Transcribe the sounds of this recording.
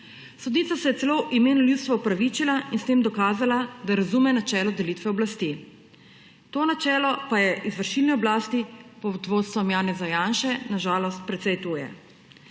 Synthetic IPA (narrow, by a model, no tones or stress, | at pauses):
sɔd̪niːt̪sasɛjɛt̪ɛloːʔimeːnuljutst̪ʋaupɾaʋit͡ʃilainst̪eːmd̪ɔkaːzalad̪aɾazuːmɛnat͡ʃɛːlɔd̪ɛliːt̪ʋɛɔblast̪i | t̪oːnat͡ʃɛːlɔpajɛʔizʋəɾʃiːlniɔblaːst̪ipɔd̪ʋot̪st̪ʋɔmjaːnɛzajaːnʃɛnaʒaːlɔst̪̚pɾɛt̪sɛjt̪uːjɛ̰